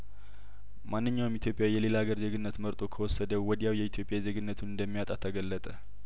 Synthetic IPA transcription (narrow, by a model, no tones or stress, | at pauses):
manːɨɲːawjmit̪jo̞pʼjajɛle̞laɡəɾze̞ɡɨnːət̪məɾt̪ʼo̞kʰəwɔsːəd̪əwɔd̪jawjɛit̪ʰjo̞pʼjaze̞ɡɨnːət̪ʰunɨnd̪əmːijat̪ʼat̪ʰəɡəlːət̪ʼə